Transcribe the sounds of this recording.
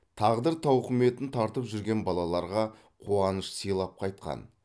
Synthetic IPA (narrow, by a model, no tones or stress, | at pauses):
t̪ʰɑʁd̪əɾt̪ʰɑwqʰəme̞t̪ɪnt̪ʰɑɾt̪əpʒʏɾɡʲe̞nbɑlˠɑlˠɑɾʁɑ | qʰuɑnəʃsijlˠɑp̚qʰɑjt̪̚qɑ̰n